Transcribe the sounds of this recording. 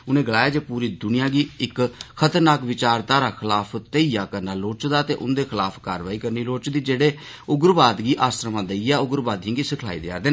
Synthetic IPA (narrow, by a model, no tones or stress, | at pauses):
ʊnẽːɡəlaːjaːd͡ʒeːpuːɾiːd̪ʊnɪjãːɡiːɪkkʰət̪əɾnaːkʋɪt͡ʃaːɾt̪aːɾaːkʰɪlaːpʰt̪eiːaːkəɾnaːloːt͡ʃd̪aːt̪eːʔʊ̰nd̪eːkʰɪlaːpʰkaːɾʋaːiːkəɾniːloːt͡ʃd̪iːd͡ʒeːɽeː | ʊɡɾbaːd̪ɡiːʔaːst̪ɾəmãːd̪əiːɛːʊɡɾbaːd̪ɦĩːɡiːsɪkʰlaːḭːd̪ɪa̰ːɾd̪eː